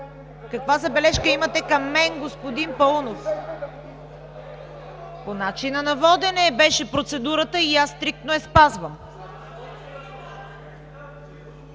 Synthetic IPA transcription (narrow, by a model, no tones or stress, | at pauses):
kɐkvazɐbɛlɛʃkəimət̪ɛkɐmːɛnɡospod̪inpɐlˠnof | ponat͡ʃinənɐvɔd̪ɛnɛːbɛʃɛpɾot̪sɛd̪uɾət̪əijasːt̪ɾik̚t̪noɛspazvəm